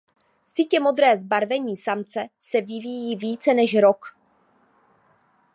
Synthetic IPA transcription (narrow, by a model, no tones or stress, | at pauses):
sɪcɛmo̞d̪ɾɛːzbaɾvɛɲiːsamt͡sɛsɛvɪvijiːviːt͡sɛnɛʃɾo̞k